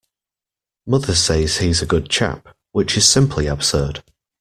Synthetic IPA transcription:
mʌðəseɪz̥hizəɡʊd̚t͡ʃʰa̰p | wɪt͡ʃɪz̥sɪ̃mpʰliəb̥sɜːd̥

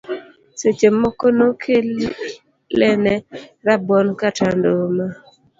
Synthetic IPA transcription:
set͡ʃemɔkonokʰe | lɛnɛɾabɔnkatandoma

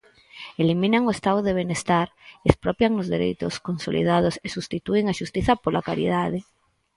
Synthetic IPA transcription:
elimĩnaŋoest̪aoðeβ̞enest̪aɾespɾopjaŋozðeɾḛjt̪o̰skonsolḭðað̞osesust̪it̪ueŋaʃust̪iθapolakaɾḭðað̞e

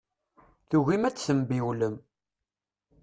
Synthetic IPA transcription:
θuʝimæt͡sːsəmbiwləm

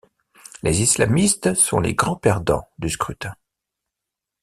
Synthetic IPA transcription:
lezislamist̪sɔ̰̃lḛɡʁɑ̃pɛʁd̪ɑ̰̃d̪yskχyt̪ɛ̃

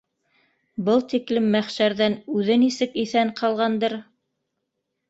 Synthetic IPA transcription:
bɤlˠt̪iklɘmːæχʃæɾðænʉðɘnisɘkiθæɴqʰɑlˠʁɑnd̪ɤɾ

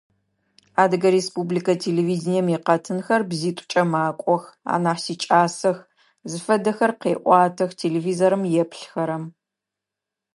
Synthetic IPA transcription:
aːdɨɡɐɾespublikʰɐtʰeːleviːdnijɛmjiqɐtʰɨnxɐrbziːtʷʼʊ̥t͡ʃʼɐmaːkʷʼɔxa̰ːnaːħsiːt͡ʃʼaːsɐx | zɨfɐdɐxɐrqeːʔʷʼɑːtʰɐxtʰeːleːviːzoɾɨmjɛpɬxɐɾɐm

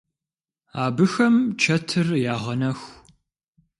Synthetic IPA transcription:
aːbɨxɐmt͡ʃʰɐtʰɨrjaːʁɐnɐx

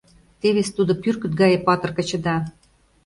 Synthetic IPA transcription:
t̪eβest̪ud̪opyrkə̆t̪̚ɡɑjepɑt̪ɤ̆rkɤ̆t͡ɕə̆d̪ɑ

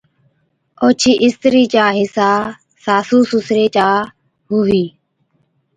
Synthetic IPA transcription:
oːt͡ʃʰiːʔɪst̪ɾiːt͡ʃaːɦɪsaː | saːsuːsusɾeːt͡ʃaː | ɦuːɦiː

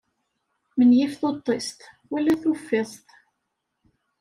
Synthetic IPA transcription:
mənjɪfθot̪ˤːest̪ | wælːæθufːesˤt̪

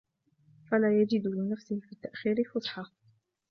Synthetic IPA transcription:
falaːjad͡ʒɪd̪lɪnafsɪhfiːt̪ːaʔxiːɾɪlfʊsˤħɑ

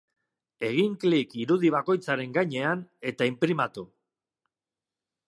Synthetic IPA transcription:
e̞ɣ̞iŋklikiɾuðiβ̞ako̞jt͡saɾe̞ŋɡajɲe̞ane̞t̪aimpɾimat̪u

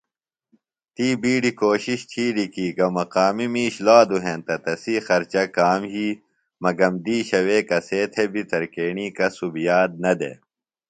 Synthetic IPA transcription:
t̪iːbiːɖikoːɕiɕt̪ʰiːɾikiːɡɐmɐqaːmimiːɕlaːd̪uɦẽnt̪ɐt̪ɐsixɐɾt͡ɕɐkaːmɦiː | mɐɡɐmd̪iːɕɐweːkɐseːt̪ʰebit̪ɐɾkeːɳiːkɐsubijaːd̪̚nɐd̪ḛ

